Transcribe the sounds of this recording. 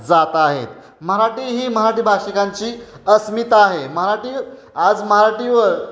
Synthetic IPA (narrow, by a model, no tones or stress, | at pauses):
d͡zat̪aɦet̪ | məɦɾaʈiːɦiːməɦɾaʈiːbʱaʂikaɲt͡ɕiːəsmit̪aɦeməɦaɾaʈi | ad͡zməɦaɾaʈiʋəɾ